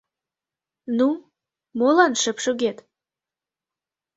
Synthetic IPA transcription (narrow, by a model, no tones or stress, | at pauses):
nu | molɑnʃə̆pʃoɣet̪